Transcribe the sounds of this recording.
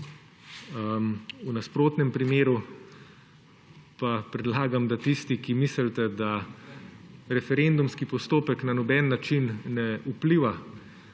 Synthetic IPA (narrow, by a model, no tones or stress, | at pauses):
unaspɾoːt̪nɛmpɾimeːɾu | papɾɛd̪laːɡamd̪at̪ist̪ikimisəlt̪ɛd̪a | ɾɛfɛɾend̪umskipɔst̪oːpɛknanɔbɛnːat͡ʃinnɛupliːʋa